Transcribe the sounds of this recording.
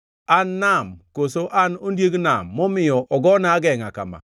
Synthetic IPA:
anːamkosoʔanondjeɡnamːɔmɪjɔʔɔɡɔnaɡɛŋaka̰ma̰

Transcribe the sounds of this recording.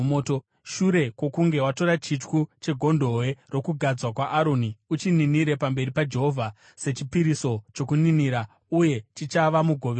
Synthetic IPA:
oːto | ʃuɾe̞kwo̞kuŋɡe̞wato̞ɾat͡ʃit͡ʃkut͡ʃe̞ɡʱo̞ndʱo̞we̞ro̞kuɡʱad͡zwakwaʔaɾo̞niut͡ʃininiɾe̞pambe̞ɾipad͡ʒe̞ɦo̞vʱa | se̞t͡ʃipiɾiso̞t͡ʃo̞kuniniɾa | uje̞t͡ʃit͡ʃaʋamuɡʱo̞ʋe

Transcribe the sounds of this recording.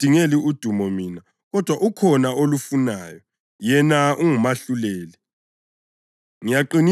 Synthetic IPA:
d̥ʱiŋeliud̥ʱumɔmiːna | ɣɔd̥ʱwaʔukʰɔnaolufunaːjɔ | jɛnaʔuŋumaɬulɛːlɛ | ŋijaǃini

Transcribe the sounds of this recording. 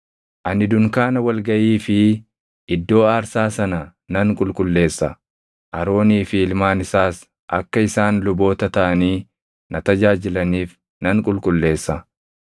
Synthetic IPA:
ʔɐnɪd̪ʊŋkaːnɐwɐlɡɐʔiːfɪ | ʔɪd̪ːo̞ːaːɾsaːsɐnɐnɐŋkʼʊlkʼʊlːe̞ːsːɐ | ʔɐɾo̞ːniːfɪɪlmaːnɪsaːs | ʔɐkːɐɪsaːnlʊbo̞ːt̪ɐt̪ɐʔɐniː | nɐt̪ɐd͡ʒaːd͡ʒɪlɐniːf | nɐŋkʼʊlkʼʊlːe̞ːsːɐ

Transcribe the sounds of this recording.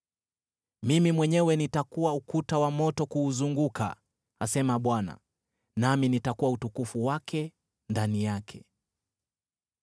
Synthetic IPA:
mimimwɛɲɛwɛnitakuwaukutawamɔtɔkuːzuŋɡuka̰ | a̰sɛmaɓwana̰ | naminitakuwautukufuwakɛ | ndanijakʰɛ

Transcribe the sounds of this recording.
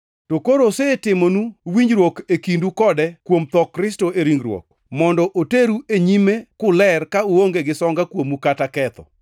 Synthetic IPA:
tokoɾosetɪmonuwiɲɾwokekindukɔdɛkwomt̪ɔkːɾɪstoeɾiŋɡɾwo̰k̚ | mɔndɔʔoteɾueɲimekʊlɛrkauoŋɡeɡɪsɔŋɡakwomukatakɛt̪ɔ̰

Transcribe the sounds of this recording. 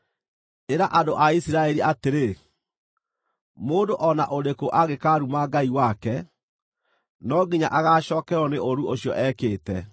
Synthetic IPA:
eɾaʔandoʔaisiɾaɛɾiʔateɾe | moːndoʔɔna̰ʔoɾekoʔaɣekaɾumaɡaiwakɛ | nɔɡiɲaʔaɣaɕɔːkɛɔneʔoɾuoɕjɔʔɛːkeːtɛ

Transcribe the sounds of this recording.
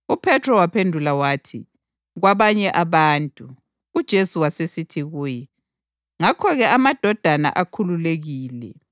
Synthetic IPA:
upʰɛtʰrɔwapʰendʱulawaːtʰi | ɣwaβaɲɛʔaβaːntʼu | ud̥ʒ̥ʱesuwasesitʰiɣuːjɛ | ŋakʰɔɣɛamad̥ʱɔd̥ʱana̰ʔakʰululeɣiːlɛ̰

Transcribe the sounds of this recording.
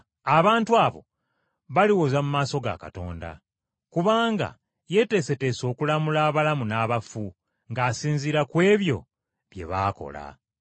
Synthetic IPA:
aβaːntuaβo̞̰ | βaliwozamumaːso̞ɡa̰ka̰to̞̰ːnda̰ | kuβaːŋɡa̰ | je̞te̞ːse̞te̞ːso̞ːkulamulaːβalamunaːβafu | ŋɡaːsiːnziɾakwe̞ːβjo̞̰ | βje̞̰βaːko̞̰la̰

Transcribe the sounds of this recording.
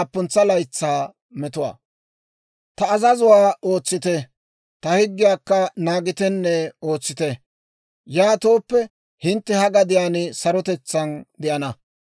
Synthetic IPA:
pːʊnt͡sːɐlɐjt͡sːaː | mɛt̪ʊwa̰ː | t̪ɐːzɐzʊwaːoːt͡sːɪt̪ɛ | t̪ɐhɪɡːɪjaːkːɐnaːɡɪt̪ɛnːɛo̞ːt͡sːɪt̪ɛ | jaːt̪o̞ːpːɛ | hɪnt̪ːɛhɐɡɐd̪ɪjaːnɪsɐɾɔt̪ɛt͡sːɐnd̪ɪʔɐnɐ

